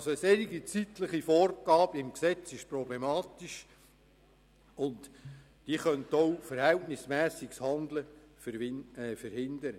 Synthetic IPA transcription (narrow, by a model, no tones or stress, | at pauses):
soəseɾiɡit͡sit̪ləχifɔːrɡ̥ɑːb̥əɪmksɛt͡sɪʃprɔblemɑːt̪iʃ | ʊnt | d̥iːχœnt̪owfəɾhɛltnɪsmæːsikshɑnd̪ləfɾfəɾhɪnd̪əɾə